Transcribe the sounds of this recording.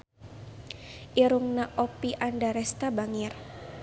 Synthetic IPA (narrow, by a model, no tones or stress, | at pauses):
ʔiɾuŋnaʔɔpiʔandaɾɛst̪abaŋɪr